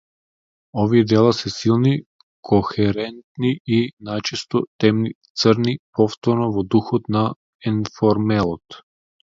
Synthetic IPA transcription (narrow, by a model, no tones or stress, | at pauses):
ɔviɛd̪ɛlˠasɛsilˠni | kʰɔxɛɾɛnt̪niinajt͡ʃɛst̪ɔt̪ɛmnit̪səɾnipɔft̪ɔɾnɔvɔd̪uxɔt̪na | ɛnfɔɾmɛlˠɔt̪